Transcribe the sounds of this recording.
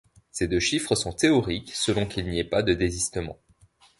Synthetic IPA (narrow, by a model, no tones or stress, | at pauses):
sed̪øʃifχəsɔ̃t̪eɔʁiksəlɔ̃kʲilniɛpad̪əd̪ezist̪əmɑ̰̃